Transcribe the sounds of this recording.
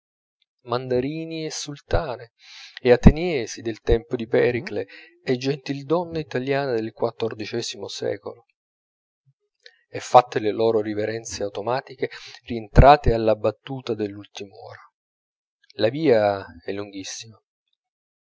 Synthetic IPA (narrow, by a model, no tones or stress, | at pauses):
mand̪aɾiːniɛsːult̪aːneː | at̪enjɛːsid̪elt̪ɛmpod̪ipɛɾikle | ɛd͡ʒːent̪ild̪ɔnːait̪aljaːnad̪elkwat̪ːord̪it͡ʃɛːzimosɛ̰ːko̰lo | ɛfːat̪ːelelɔːɾoriveɾɛnt̪seawt̪omaːt̪ikerient̪ɾʔaːt̪ealːabːat̪ːuːt̪ad̪elːult̪imɔ̰ːɾa | laviːaɛlːuŋɡisːima